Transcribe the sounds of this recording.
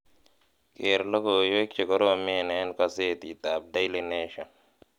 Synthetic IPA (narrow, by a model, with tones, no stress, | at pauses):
keː˨ɾlo˦ko˨jo˦k̚t͡ʃe˨kɔ˦ɾo˦˨me˦˨neː˦nka˦seː˦t̪i˨t̪aː˨b̚d̪a˦jlene˦ʃɐ˨n